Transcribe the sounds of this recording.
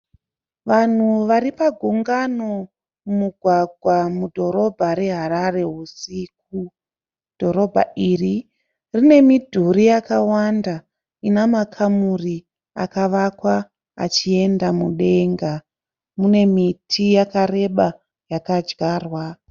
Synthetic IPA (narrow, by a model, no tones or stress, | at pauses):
ʋan̤uʋaɾipaɡʱuŋɡano | umuɡʱwaɡʱwamudʱo̞ɾo̞bʱaɾe̞ɦaɾare̞ɦusik̚u | d̥ʱo̞ɾo̞bʱa̰iri | rine̞midʱuɾijakawanda | inamakʰamuri | a̰kaʋakwa̰ː | t͡ʃie̞ndamuɗe̞ŋɡa | mune̞mitʰijakare̞ɓa | jakad͡ʒɡaːrwa